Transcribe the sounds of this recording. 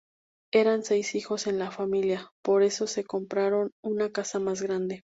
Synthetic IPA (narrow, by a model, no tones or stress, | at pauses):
e̞ɾanse̞jsixo̞se̞nlafamiljapo̞ɾe̞so̞se̞ko̞mpɾaɾo̞nunakasamazɣɾand̪e̞